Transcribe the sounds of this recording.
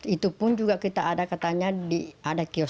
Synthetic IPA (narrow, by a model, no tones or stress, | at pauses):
it̪upʊnd͡ʒuɡakit̪aːdakat̪aɲadiadakiɔ